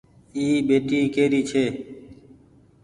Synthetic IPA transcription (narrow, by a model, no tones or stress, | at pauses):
iːbeːʈiːkeːɾiːt͡ʃʰeː